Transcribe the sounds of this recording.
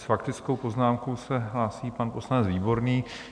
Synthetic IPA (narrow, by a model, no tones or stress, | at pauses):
sfakt̪ɪt͡sko̞wpo̞znaːmkowsɛɦlaːsiːpanpo̞slanɛd͡zviːbo̞ɾniː